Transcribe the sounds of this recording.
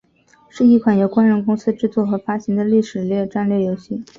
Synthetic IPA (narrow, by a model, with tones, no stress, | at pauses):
ʂɻ̩˥˧i˥˩kʰwa˨˩njo˨˩ʊkwa˥nɻə˧˥nkʊ˥ŋsɹ̩˥ʈ͡ʂɻ̩˥˧t͡swɔ˥˩xɤ˧˥fa˥ɕi˧˥ŋd̪ə˧li˥˩ʂɻ̩˨˩ljɥɛ˥˧ʈ͡ʂa˥˧nlɥɛ˥˩jo˧˥ʊɕi˥˩